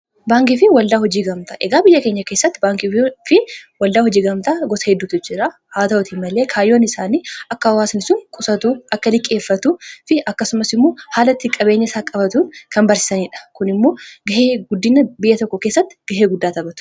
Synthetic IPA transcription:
baːŋkɪfɪwɐld̪aːɦɔd͡ʒiːɡɐmt̪ɐʔɛɡaːbɪjːɐke̞ːɲːɐke̞ːsːɐt̪ːɪbaːŋkifɪwɐld̪aːhɔd͡ʒiːɡɐmt̪aːɡɔsɐ̥hɛd̪ːuːt̪ʊd͡ʒɪɾa | haːt̪ɐɔt̪imɐle̞ːkʰaːjːo̞ːnɪsaːniːɐkːɐɐwaːsnɪsʊŋkʼʊsɐt̪uʔɐkːɐlɪkʼːe̞ːfːɐt̪ufɪʔɐkːɐsʊmɐsɪmːoːhaːlɐt̪ːɪkʼɐbe̞ːɲːɪsaːkʼɐbɐt̪unkɐmbɐɾsɪ̥sɐniːᶑɐ̥kʊnɪmːo̞ːɡɐheːɡʊd̪ːɪnɐbɪjːɐt̪ɔkːɔkeːsːɐt̪ːɪ̥ɡ̥ɐɦeːɡʊd̪ːaːt̪ɐbɐt̪ʊ̥

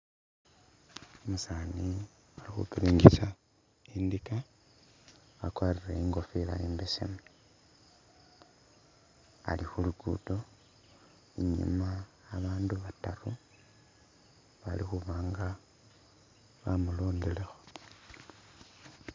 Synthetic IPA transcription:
omusaːni | alixṵkiɾiːŋɡisa | indika | βakwaːrireiŋɡo̞fila̰jeːmbesḛma | alixuluɡṵto̞ | iɲḭmaː | βaːnduβataru | βalixuβaːŋɡa | βamuloːndile̞xo̥

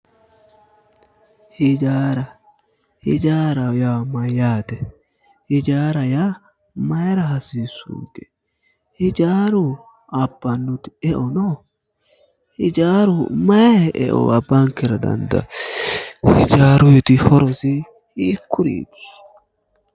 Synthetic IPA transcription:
hɪd͡ʒaːɾɐ | hɪd͡ʒaːɾɐjamɐjaːt̪ɛ | hɪd͡ʒaːɾɐja | mɐjɛɾɐɦɐsiːsʊ̰ŋkɛ̥ | hɪd͡ʒaːɾʊ | ɐbːɐnːʊt̪ɪ̥ɛʔɔnɔ | hɪd͡ʒaːɾʊmɐɛʔɛ̰ʔɔ̰ɐbːɐŋkɛɾɐd̪ɐ̰nd̪ɐ̰ | hɪd͡ʒaːɾʊjɛt̪ɪhɔɾɔsɪ | hiːkːʊɾḭːt̪ɪ̥

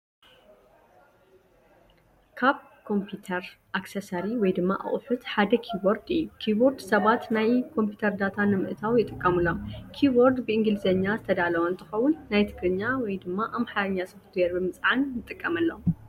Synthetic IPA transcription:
kʰaβ | kʰo̞mpʰjut̪ʰɐɾʔaksɐsɐɾiwɔjd̪ɨmːa̰ʔa̰χʼħut̪ħad̪ɐkʰibo̞ɾd̪ɨjːukʰibo̞ɾd̪sɐβat̪najkʰo̞mpʰjut̪ʰɐɾd̪at̪ʰanːɨmɨ̰ʔt̪ʰawjɪt̪ʼɨkʼːɐmɨlːokʰiboɾd̪bɨɨŋɡɨlɨzɐɲːazɨt̪ʰɐd̪alɐwɐnt̪ʰɨ̥xɐwːʊnːajt̪ʰɨɡɾɨɲːawɔjd̪ɨmːaʔamħaɾɐɲːasɨfɨt̪ʰjeɾbɨmɨt͡sʼʕanːɨt̪ʼɨkʼːɐmɐlːɐ

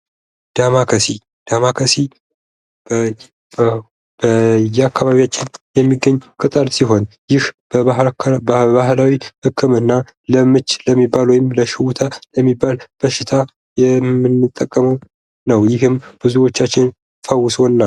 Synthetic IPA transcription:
d̪̥amakʰəsi | d̪̥amakʰəsi | bəjɛakːaβaβijat͡ʃːɪnjɛmːiɡəɲːkʼɨt̪ʼəɾsiɦo̞njɪhb | baɦlawihɨkʰːɨmɨnːa | ləmɨt͡ʃːləmːibːalwɔjɪmləʃɪwʊt̪ʰaləmːibːalb̥əʃɪt̪ʰa | jɛɨnːɨt̪ʼːəkʼːəməw | nəwjɪɦɨmb̥ɨzuwo̞t͡ʃːat͡ʃːɪn | fəwːʊswonːal

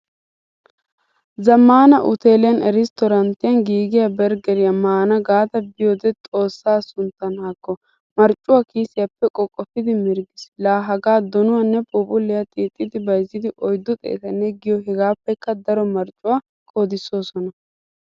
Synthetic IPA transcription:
zɐmːaːnɐʔʊ̰t̪e̞ːlɪjɐnɛɾɪst̪ɔɾɐnt̪ːɪjɐnɡiːɡɪjabɛɾɡɛɾɪjɐmaːnɐɡaːt̪ɐbɪjɔd̪ɛt̪ʼo̞ːsːaːsʊnt̪ːɐnhakːɔ | mɐɾt͡ʃʼːʊwaːkiːsɪjɐpːɛkʼɔkʼːɔpːɪd̪ɪmɪɾɡɪslaːɦɐɡaːd̪ɔnʊwɐnːɛpʼuːpʼʊlːɪjɐt̪ʼiːt̪ʼːɪd̪ɪbɐjzːɪd̪ɪʔɔjd̪ːʊt̪ʼɛ̰ːt̪ɐnːɛɡɪjɔɦɛɡaːpːɛkːɐd̪ɐɾɔmɐɾt͡ʃʼːʊwaː | kʼoːd̪ɪso̞ːsɔnɐ

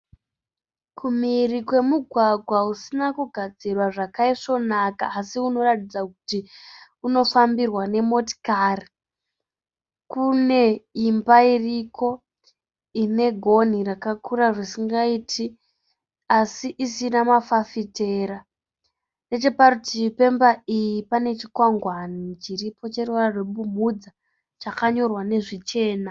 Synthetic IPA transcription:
kʰumirikwe̞muɡʱwaɡʱwausinakuɡʱad͡zirwaʐakaiʂo̞nakaːsiuno̞ratid͡zakuti | uno̞fambirwane̞mo̞ti̥kaːri | kune̞imbairiko̞ | ine̞ɡʱo̞nirakakuɾaʐisiŋɡaitʰi | asiʔisinamafafite̞ːɾa | ne̞t͡ʃe̞parutipe̞mbaijipane̞t͡ʃikwaŋɡwanit͡ʃiripʰo̞t͡ʃerearweɓumud͡za | t͡ʃakaɲo̞rwane̞ʐit͡ʃe̞ːna

